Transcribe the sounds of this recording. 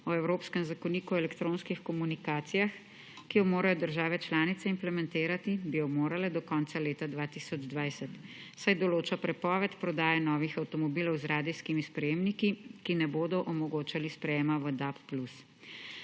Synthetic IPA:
ɔɛwɾoːpskɛmzakɔniːkuelɛkt̪ɾõːnskixkɔmunikaːt̪sijax | kijɔmoːɾajɔd̪əɾʒaːʋɛt͡ʃlaːnit̪sɛimplɛmɛ̃nt̪eːɾat̪ibijɔmoːɾalɛd̪ɔkɔnt̪saleːt̪ad̪ʋaːt̪isɔd͡ʒd̪ʋajsɛt̪sajd̪ɔloːt͡ʃapɾɛpɔːʋɛt̪pɾɔd̪aːjɛnɔːʋixawt̪ɔmɔbilɔwzɾaːd̪iskimispɾɛjeːmnikikinɛboːd̪ɔʔɔmɔɡoːt͡ʃalispɾɛjeːmaʋəd̪apːlus

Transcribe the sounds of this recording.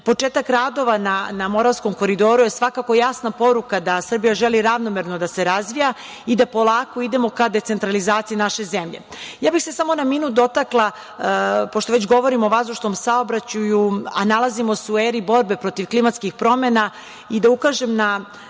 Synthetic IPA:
po̞t͡ʂe̞ːt̪akɾaːd̪o̞ʋananamo̞ɾaʋsko̞mko̞ɾid̪o̞ːɾuje̞sʋakako̞jasnapo̞ɾukad̪asr̩bijaʒeliɾaʋno̞me̞ɾno̞d̪ase̞ɾazʋija | id̪apo̞lˠaːko̞id̪e̞mo̞kad̪e̞t̪se̞nt̪ɾalizaːt̪sijinaʃe̞ze̞mʎḛjaːbixse̞samo̞namiːnud̪o̞t̪aklˠa | poʃt̪oʋet͡ɕɡo̞ʋo̞ɾimoʋazuʃt̪omsaobɾat͡ɕujua̰nalˠazimo̞sueːɾibo̞ɾbe̞pɾo̞t̪iʋklimat̪skixpɾo̞me̞na | id̪aukaʒemna

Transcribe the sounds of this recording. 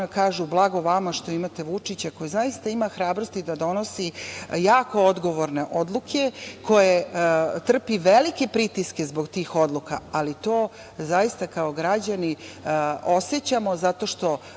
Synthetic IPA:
kaːʒublˠaɡo̞ʋamaʃt̪o̞imat̪e̞ʋut͡ʂit͡ɕako̞jizaist̪aimaxɾaːbɾost̪id̪ad̪o̞nosijaːko̞od̪ɡoʋo̞ɾne̞ʔod̪lˠukʰe̞kʰo̞jet̪r̩piʋelike̞pɾit̪iske̞zbo̞ɡt̪iːxo̞d̪lˠukaalit̪oː | zajist̪akaoɡɾad͡ʑani | o̞set͡ɕamo̞zat̪o̞ːʃt̪o̞

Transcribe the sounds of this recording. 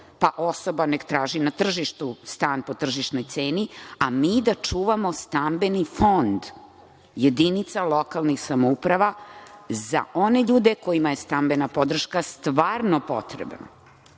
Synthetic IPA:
paʔoso̞banekt̪ɾaːʒinat̪r̩ʒiʃt̪ust̪aːnpo̞t̪r̩ʒiʃno̞jt̪seːniamiːd̪at͡ʂuːʋamo̞st̪ambenifo̞nd̪ | je̞d̪init̪salo̞kalˠnixsamoupɾaʋa | za̰o̞ne̞ʎuːd̪eko̞jimajest̪ambe̞napo̞d̪r̩ʃkast̪ʋaːɾno̞po̞̰t̪ɾḛbna̰

